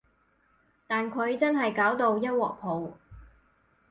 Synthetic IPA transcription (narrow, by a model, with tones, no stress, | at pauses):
t̪aː˨nkʰɵ˨˧ɥt͡sɐ˥nɦɐ˨jkaː˨˥wt̪o˧wjɐ˥t̚wɔː˨k̚pʰo˨˧w